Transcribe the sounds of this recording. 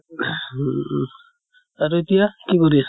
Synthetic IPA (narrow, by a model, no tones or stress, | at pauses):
aɹuetijakikoɹias